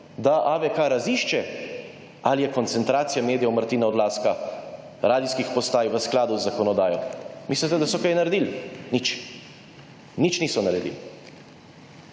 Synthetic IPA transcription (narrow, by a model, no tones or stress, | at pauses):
d̪aʔaʋɛkaɾaziːʃt͡ʃɛ | alijɛkɔnt̪sɛnt̪ɾaːt̪sijameːd̪ijɛwməɾt̪iːnaɔd̪laːska | ɾaːd̪iskixpɔst̪aːjʋəsklaːd̪uzːakɔnɔd̪aːjɔmislit̪ɛd̪asɔkajnaɾɛd̪ilnit͡ʃ | nit͡ʃnisɔnaɾɛd̪ḭl